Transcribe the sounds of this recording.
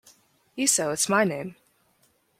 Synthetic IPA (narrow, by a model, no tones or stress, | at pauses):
jisoʊɨtsmaɪnẽɪ̃m